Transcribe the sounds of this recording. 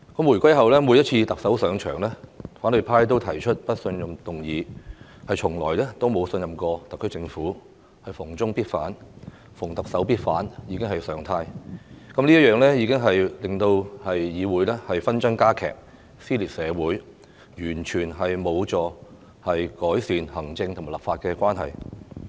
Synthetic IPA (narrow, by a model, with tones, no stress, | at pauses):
kɐ˨˥mwu˨˩jkʷwɐ˥jɦɐ˨wlɛː˥mu˨˧jɐ˥t̚t͡sʰiː˧t̪ɐ˨k̚sɐ˨˥wsœː˨˧ŋt͡ʃʰœ̰ː˨˩ŋlɛː˥faː˨˥nlɵ˨˧jpʰaː˥jt̪o˥wt̪ʰɐ˨˩jt͡ʃʰɵ˥t̚pɐ˥t̚sɵ˧njɐ˨mt̪ʊ˨ŋjiː˨˧ | hɐ˨jt͡ʃʰʊ˨˩ŋlɔː˨˩jlɛː˥t̪o˥wmo˨˧wsɵ˧njɐ˨mkɔː˧t̪ɐ˨kʰːɵ˥t͡sɪ˧ŋfuː˨˥ | hɐ˨jfʊ˨˩ŋt͡sʊ˥ŋpiː˥t̚faː˨˥n | fʊ˨˩ŋt̪ɐ˨k̚sɐ˨˥wpiː˥t̚fa̰ː˨˥njiː˨˧kɪ˥ŋɦɐ˨jsœː˨ŋt̪ʰaː˧jkɐ˨˦mliː˥ɐ˥t̚jœː˨ŋlɛː˥jiː˨˧kɪ˥ŋɦɐ˨jlɪ˨˩ŋt̪o˧whɐ˨jjiː˨˧wuː˨˥jlɛː˥hɐ˨jfɐ˥nt͡sɐ˥nkaː˥kʰɛ̰ː˨˩k̚ | siː˥liː˨˩t̚sɛː˨˧wuː˨˥j | jyː˨˩nt͡ʃʰyː˨˩nɦɐ˨jmo˨˧wt͡sɔː˨˧ | hɐ˨jkɔː˨˥jsiː˨nhɐ˨˩ŋt͡sɪ˧ŋʰʊ˨˩maː˨˩lɐ˨˩pfaː˧t̚kɛː˧kʷaː˥nɦɐ̰˨j